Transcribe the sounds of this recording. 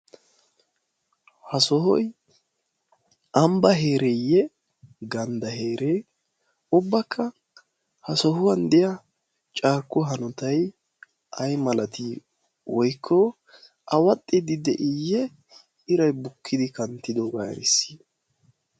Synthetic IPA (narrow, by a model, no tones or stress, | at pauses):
hɐsɔhɔ̰j | ʔɐmbɐɦe̞ːɾɛjːɛ | ɡɐnd̪ɐɦe̞ːɾe | ʊbːɐkʰːɐ | hɐsɔhʊwɐnd̪ɛjɐ | t͡ʃʼaːɾkːɔɦɐnɔt̪ɐj | ʔɐjmɐlɐt̪i | wɔjkʰːɔ | ʔɐwɐt̪ʼːɪd̪ɪd̪ɛʔɪjːɛ | ɪɾɐjbʊkʰːɪd̪ɪkɐnt̪ːɪd̪oːɡa̰ːɾɪ̰sːi̥